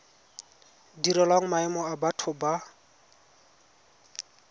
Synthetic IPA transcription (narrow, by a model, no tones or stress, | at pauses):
diɾɛlwaŋ̩maɛmɔabatʰʊba